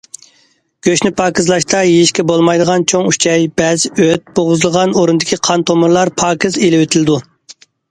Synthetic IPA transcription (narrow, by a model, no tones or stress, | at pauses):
ɡ̥ʲøʃnɪpʰɑːkʲɪzlˠɑʃt̪ʰɑjejʃkʲɛbolˠmɑjd̪əʁɑnt͡ʃʰoŋyt͡ʃʰɛjbɛzøt̪̚boʁʊzɨlˠʁɑnoɾunɨd̪ɪkʲʰiqʰɑnt̪ʰomuɾlˠɑɾpʰɑːkʲɪzelɪwet̪ʰɪlɪd̪u